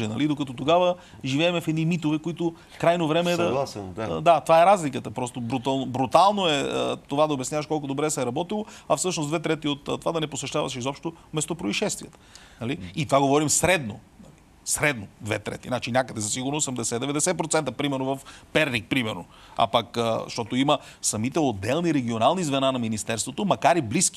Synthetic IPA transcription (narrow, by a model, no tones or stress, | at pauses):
ɛnɐlid̪okɐt̪ɔt̪oɡavə | ʒivɛːmɛfɛd̪nimit̪ovɛkoit̪ʊ | kɾajnovɾɛmɛːd̪ɐd̪at̪ovaɛɾazlikət̪əpɾɔst̪obɾut̪alˠnobɾut̪alˠnoɛət̪ovad̪ɐobʲjɛsnʲavɐʃkɔlˠk̬ʊd̪obɾɛsɛɾɐbɔt̪ilˠoɐfsɤʃnosd̪vɛt̪ɾɛt̪iot̪t̪ːovad̪ɐnɛposvɛʃt̪avɐ̰ʃɛizɔpʃt̪omɛst̪opɾoiʃɛst̪viɛt̪ | nɐliːt̪ovaɡovɔɾimsɾɛd̪no | nɐli | sɾɛd̪nod̪vɛ̰t̪ɾɛ̰t̪inat͡ʃinʲakəd̪ɛzɐsiɡʊɾnosɐmd̪ɛsɛd̪ɛvɛd̪ɛsɛt̪̚pɾot̪sɛnt̪əpɾimɛɾnovɐfpɛɾnik̚pɾimɛɾno | a̰pɐkəʃt̪ɔt̪oiməsɐmit̪ɛod̪ːɛlˠniɾɛɡʲionalˠnizvɛnanɐminist̪ɛɾst̪vot̪omɐkaɾibliski̥